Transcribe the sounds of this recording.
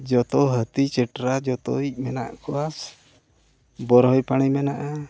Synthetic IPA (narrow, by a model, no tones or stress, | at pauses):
d͡ʒɔt̪ɔɦət̪it͡ʃɛʈɾad͡ʒɔt̪ɔic̚ˀmɛna̰ʔkʰɔwas | bɔɾɦɔjpaɽ̃imɛnaʔa